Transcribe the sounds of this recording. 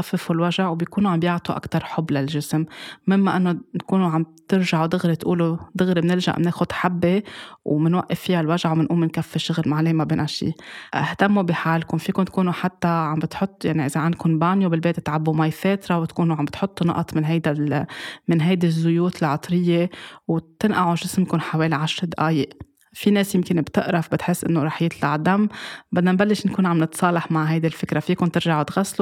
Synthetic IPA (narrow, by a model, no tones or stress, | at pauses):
afːɪfulwaʒaʕwbjkuːnuʕambjɪʕt̪ˤuʔa̰kt̪ɑɾˤħʊbːlalʒɪsmːɪmːaʔɪnːot̪kuːnuʕamt̪ɪɾʒaʕwd̪ɪɣɾit̪ʔuːlud̪ɪɣɾimnɪɾʒa̰ʔmneːxʊd̪ħabːewmɪnwaʔːɪfːijalwaʒaʕwmɪnʔuːlmɪnkafːeʃʊɣlmaʕleːmabeːnaʃḭːʔɪht̪amːubɪħaːlkʊnfiːkʊnt̪̚kuːnuħat̪ːaʕambɪt̪ħʊt̪ˤːjaʕniʔɪzaʕand̪̚kʊnbaːnjubɪlbeːt̪t̪ʕabːumajfeːt̪ɾɑwt̪kuːnuʕambɪt̪ħʊt̪ˤːunɑ̰ʔt̪ˤmɪnɦajd̪a | mɪnɦajd̪izːʊjuːt̪ɪlʕɑt̪ˤɾɪjːewt̪ɪnʔaʕuʒɪsmkʊnħaweːliʕaʃɾd̪ʔaːjɪʔ | fineːsjɪmkɪnbt̪ɪʔɾɑfbɪt̪ħɪsːʔɪ̰nːoɾˤɑːħjɪt̪laʕd̪amːbɪd̪nambalːɪʃnkuːnʕamnɪt̪sˤɑːlɑħmaʕɦajd̪ilfɪkɾafiːkʊnt̪ɪɾʒaʕʊt̪ɣaslu